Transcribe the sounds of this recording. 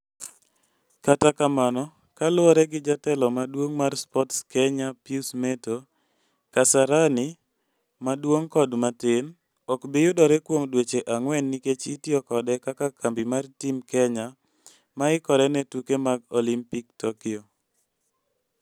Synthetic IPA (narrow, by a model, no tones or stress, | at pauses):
katakamanɔ | kalʊɔɾɛɡɪd͡ʒatɛlɔmadwoŋmarspɔtskɛɲapiusmeto | kasaɾani | madwoŋkɔdmaten | ɔkbijʊdɔɾɛkwomdwet͡ʃeʔaŋwɛnːiket͡ʃitiɔkɔdɛkakakʰambimartimkɛɲa | maɪkɔɾɛnɛtukemaɡolimpik̚tɔkɪo